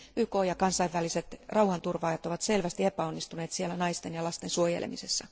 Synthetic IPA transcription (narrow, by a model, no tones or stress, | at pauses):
yːkoːjɑkɑnsɑiʋːæliset̪rʔɑuhɑnt̪urʋɑːjɑt̪oʋɑt̪se̞lʋæst̪iepæonːist̪uneːt̪sielːænɑist̪enjɑlɑst̪ensuojḛlḛmise̞sːɑ